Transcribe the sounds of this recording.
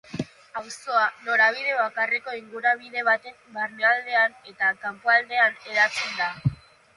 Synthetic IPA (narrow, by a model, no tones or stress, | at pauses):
awso̞ano̞ɾaβ̞iðe̞βakareko̞iŋɡuɾaβ̞iðe̞β̞at̪e̞mbarneald̪e̞ane̞t̪akampoald̪e̞ane̞ɾat͡send̪a